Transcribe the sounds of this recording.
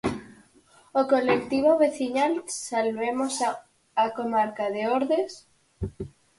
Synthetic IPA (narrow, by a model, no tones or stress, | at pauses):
okolek̚t̪iβ̞oβeθiɲalsalβemosa | akomaɾkaðeoɾðes